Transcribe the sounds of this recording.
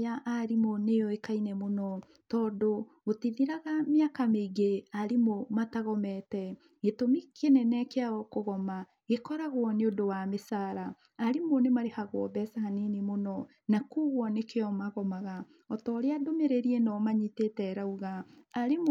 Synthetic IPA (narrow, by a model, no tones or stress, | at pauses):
jaʔaɾimonejɔekainɛmonɔ | tɔːdoɣotiðiɾaɣameakameɡeaɾimomataɣɔmɛtɛ | ɣetomikʰenɛnɛkeaɔkoɣɔma | ɣekɔɾaɣwɔneodowamesaɾaː | ɾimonemaɾehaɣwɔ̰bɛsahanenemonɔ | nakuːɣwɔnekeɔmaɣɔmaɣa | ɔtɔɾeadomeɾeɾiɛnɔmaɲitetɛɾauɣaːɾem